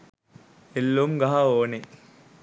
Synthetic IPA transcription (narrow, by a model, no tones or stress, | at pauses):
elːumɡɐɦaoːne